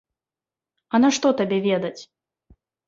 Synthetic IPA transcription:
ɐnɐʂt̪ɔt̪abʲɛvʲɛd̪ɐt͡sʲ

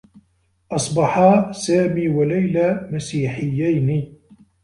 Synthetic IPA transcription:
ʔɑsˤbɑħasaːmiːwalajlaːmasiːħɪjːajni

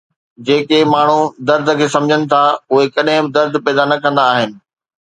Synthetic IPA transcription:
d͡ʑeːkemaːɳ̤ud̪ɐɾd̪ʱəkʰeːsɐ̃md͡ʑʱənɪ̆t̪ʰaʊɦekɐɗɦɪ̃bɪd̪ɐɾd̪ʱpɛːd̪anɐkɐ̃nd̪aːɦɪnɪ̆

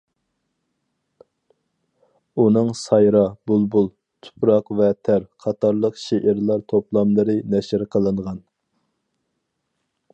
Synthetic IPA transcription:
unɨŋsɑjɾɑbulˠbulˠ | t̪ʰu̥pɾɑqvɛt̪ʰæɾqʰɑt̪ʰɑɾlˠəqʃeʔɪɾlˠɑɾt̪ʰoplˠɑmlˠɨɾɨnɛʃɪɾqʰəlˠɨɴʁɑn

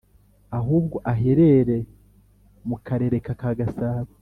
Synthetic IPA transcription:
aɦuːbɡo̞ʔaɦe̞ɾe̞ɾe̞ | mukʰaɾe̞ɾe̞kakaɡasaːβi

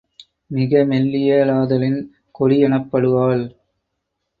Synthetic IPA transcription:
mɪɣɐmɛlːɪjɐlaːðɐlɪn | kɔɽɪɛɳɐpːɐɽɯʋaːl

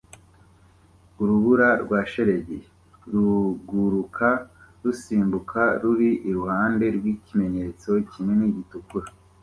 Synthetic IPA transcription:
uɾuβuɾaɾɡwaːʃe̞ɾe̞ɟe | ɾuɡuɾukʰaɾusiːmbukʰaɾuɾiʔiɾuhaːnde̞ɾɡwiːcime̞ɲe̞t͡so̞cimŋe̞niɟitukuɾa

